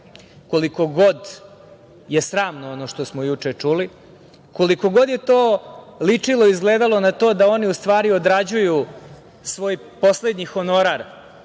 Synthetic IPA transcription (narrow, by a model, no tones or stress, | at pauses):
ko̞liko̞ɡo̞d̪ | je̞sɾaːmnoono̞ʃt̪o̞smojut͡ʂet͡ʂuli | ko̞liko̞ɡo̞d̪je̞t̪oːlit͡ʂilo̞izɡleːd̪alo̞nat̪o̞ːd̪ao̞niust̪ʋaːɾiod̪ɾad͡ʑuju | sʋo̞ːj | po̞sled̪ɲixo̞no̞ɾaɾ